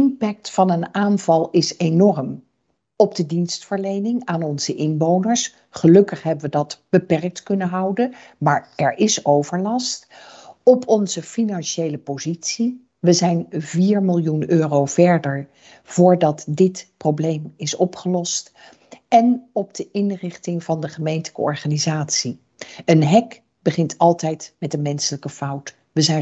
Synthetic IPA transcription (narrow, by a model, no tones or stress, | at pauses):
ɪmpɛk̚tfɑnənaːnvɑlˠɪsenɔrm | ɔb̚dədinstfəɹlejnɪŋaːnɔnz̥əʔɪnʋownəɹs | χəlɵkəχɦɛbəʋədɑtb̥əpɛrk̚tkɵnəɦɑwdəmaːɹɛɹɪsowvəɹlɑstɔpʰɔnzəfinɑnʃejləpozitsi | ʋəzɛjnviːɹmɪlˠjunøːrowv̥ɛɹdəɹ | v̥ʊːɹdɑtdɪtprowblejmɪsɔpχəlɔst | ɛnɔb̚dəʔɪnrɪχtɪŋvɑndəχəmejntələkə̰ɔ̰ɹχaːnizaːtsi | ənɦɛk | bəχɪntʰɑlˠtɛjtmɛtənmɛnsələkəfʌwt | ʋəzɛ